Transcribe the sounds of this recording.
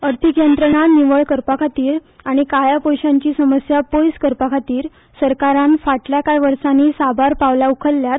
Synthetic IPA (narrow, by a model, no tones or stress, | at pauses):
əɾt̪ʰikjənt̪ɾəɳaniʋəɭkəɾpakʰat̪iːɾaɽ̃ikajapojɕãɲt͡ɕiːsəməsjapojskəɾpakʰat̪iːɾ | səɾkaɾanfaʈljakajʋəɾsanisabʱaɾpaʋlaukʰəlːjat̪̚